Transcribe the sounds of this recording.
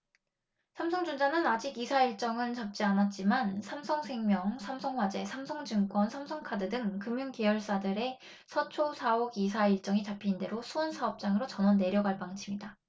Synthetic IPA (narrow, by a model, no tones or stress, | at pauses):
sʰamsʰʌŋd͡ʑund͡ʑanɯnad͡ʑiɡisʰaiɭt͡ɕ͈ʌŋɯnt͡ɕap̚t͡ɕ͈ianat̚t͡ɕ͈imansʰamsʰʌŋsʰe̞ŋmjʌŋsʰamsʰʌŋɦwad͡ʑe̞sʰamsʰʌŋd͡ʑɯmk͈wʌnsʰamsʰʌŋkʰadɯdɯŋkɯmjuŋkejʌɭs͈adɯɾe̞ | sʰʌt͡ɕʰosʰaoɡisʰaiɭt͡ɕ͈ʌŋit͡ɕapʰinde̞ɾosʰuonsʰaʌp̚t͡ɕ͈aŋɯɾot͡ɕʌnʌnːe̞ɾjʌɡaɭp͈aŋt͡ɕʰimɲida